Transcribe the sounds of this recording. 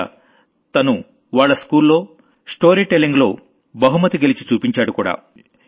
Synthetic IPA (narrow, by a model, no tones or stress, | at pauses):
t̪ɐnu | ʋaːɭːɐskuːlːo̞ː | sʈo̞ːɾiʈelːiŋɡlo̞ː | bɐɦumɐt̪iɡelit͡ʃi̥t͡ʃuːpiɲt͡ʃaːɽukuːɽa̰ː